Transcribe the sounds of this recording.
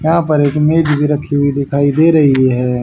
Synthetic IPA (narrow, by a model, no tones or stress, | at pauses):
jɐɦãpɐɾeːkmeːd͡ʒbʱiɾɐkʰːiɦuid̪ɪkʰaːid̪eːɾɐɦiɦɦɛː